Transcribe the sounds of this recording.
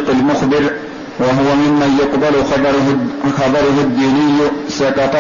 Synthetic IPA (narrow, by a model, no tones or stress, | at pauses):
qɪlmʊxbɪɾ | waɦʊwamɪmːajʊqbalxɑbɾxɑbˤɑɾˤʊɦʊd̪ːiːnɪjːsɑkɑt̪ˤɑ